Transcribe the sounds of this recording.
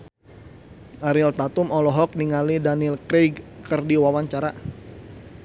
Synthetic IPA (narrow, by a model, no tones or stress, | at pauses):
ʔaɾɪlt̪at̪umɔlɔɦɔk̚niŋalidanilkɾeɡkərdiwawaɲt͡ʃaɾa